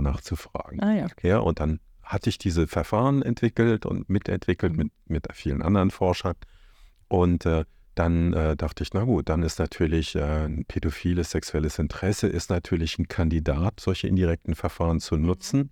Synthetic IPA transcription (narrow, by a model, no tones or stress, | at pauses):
naːχt͡sufʁ̥a̰ːɡŋ̩jaːʔʊ̰ntd̥an | hatəɪçd̥iːzəfɛɐfaːʁənʔɛntv̥ɪkl̩tʊ̰ntmɪtʰɛ̰ntv̥ɪkl̩tmɪt̚ | mɪtfiːlənʔa̰ndəʁənfɔɐʃɐ | ʔʊntɛː | d̥anʔɛːdaχtəɪçnaɡuːt̚d̥anɪstnatʰyːɐlɪçʔɛːnpʰedofiːləsz̥ɛksuɛləsɪntʁ̥ɛsəʔɪstnatʰyːɐlɪçn̩kʰandidaːtz̥ɔlçəʔɪ̰ndiʁɛk̚tn̩fɛɐfaːʁənt͡sunʊt͡sn̩